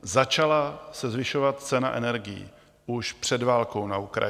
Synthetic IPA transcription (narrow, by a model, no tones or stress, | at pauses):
zat͡ʃalasɛzvɪʃo̞vat̪̚t͡sɛnaʔɛ̰nɛɾɡɪjḭ | uʃpr̝̥ɛdvaːlko̞wnaukɾa̰